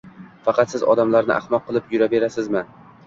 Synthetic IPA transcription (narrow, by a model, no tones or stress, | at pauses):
fɑqʰɑt̪sɪzɒ̰d̪amlaɾnɪ̰ʔa̰hmɒqʰːɨlˠɪpjʊɾabe̞ɾasɪzmɪ